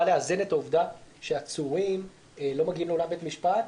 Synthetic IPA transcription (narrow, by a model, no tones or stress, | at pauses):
aleazene̞tauvdaʃeat͡suʁim | elo̞maɡiimle̞olambet̪amiʃpat